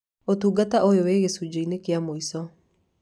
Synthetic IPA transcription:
otuːɡataojoweːɣesud͡ʒoinekeamoisɔ

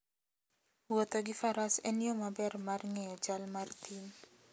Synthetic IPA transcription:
wot̪oɡɪfaɾaseniomabɛrmarŋɛjɔd͡ʒalmart̪in

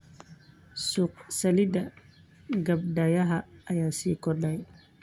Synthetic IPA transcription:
suːqsɐlid̪ɐ | ɡɐb̚dɐjɐɦɐɐjaːsiːkɔdɛj

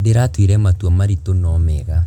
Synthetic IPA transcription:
deɾatwiɾɛmatwɔmaɾitonɔmɛɣa

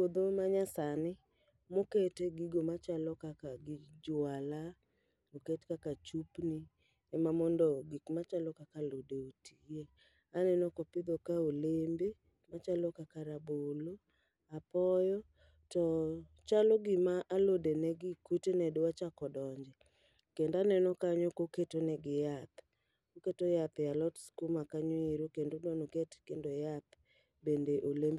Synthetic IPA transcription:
kod̪omaɲasanɪ | moketeɡiɡomat͡ʃalɔkakaɡɪd͡ʒʊala | oketkakat͡ʃupnɪ | ɛmamɔndɔɡikmat͡ʃalɔkakalodeotʰie | anɛnɔkɔpɪd̪okaolembe | mat͡ʃalɔkakaɾabolo | apɔjɔ | tɔ | t͡ʃaloɡɪmaʔalodenɛɡɪkutenɛdwat͡ʃakɔdɔɲd͡ʒɛ | kendanɛnokaɲokoketonɛɡɪjat̪ | koketojat̪jalɔtskumakaɲoeɾokendodanoketkendojat̪ | bendeʔolemb

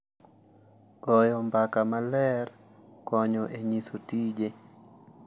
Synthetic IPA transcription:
ɡ̥ɔjɔmbakamalɛr | kɔɲɔʔeɲisotid͡ʒe

